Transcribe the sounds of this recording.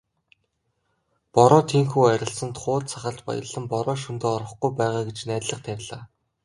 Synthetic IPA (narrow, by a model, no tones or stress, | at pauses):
pɔɾɔːt̪ʰiːŋxuːæɾʲɪ̆ɬsə̆nt̪χʊːɮt͡sʰaχə̆ɬt̪pɔ̰jə̆ɮə̆mpɔɾɔːʃunt̪oːɔɾɞ̆χɡujpæːʁaːɡet͡ɕnæːt̪ɮə̆χt̪ʰæɾʲɮaː